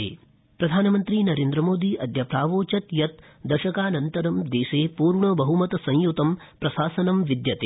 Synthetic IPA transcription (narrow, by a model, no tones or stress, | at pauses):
ḛː | pɾɐd̪ʱaːnɐmɐnt̪ɾinɐɾeːnd̪ɾɐmoːd̪iːʔɐd̪ʱjɐpɾaːʋoːt͡ʃɐt̪jɐt̪ | d̪ɐʃɐkaːnɐnt̪ɐɾɐmd̪eːʃeːpuːɾɳɐbɐɦumɐt̪ɐsɐ̃j̃jut̪ɐm | pɾɐʃaːsɐnɐmʋid̪jɐt̪e